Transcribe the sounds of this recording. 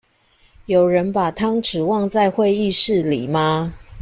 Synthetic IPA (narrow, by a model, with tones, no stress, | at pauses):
jo˨˩ʊɻə˧˦npa˨˩t̪ʰɑ˥ŋʈ͡ʂɻ̩˨˩wɑ˥˧ŋt͡sa˥˧ɪxwe˥˧ɪi˥˧ʂɻ̩˥˨li˨˩ma˦